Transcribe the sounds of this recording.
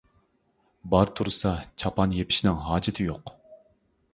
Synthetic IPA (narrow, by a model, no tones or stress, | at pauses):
bɑɾt̪ʰuɾsɑt͡ʃʰɑpʰɑnjepʰɪ̥ʃnɪŋɦɑːd͡ʒɪt̪ʰɪjoq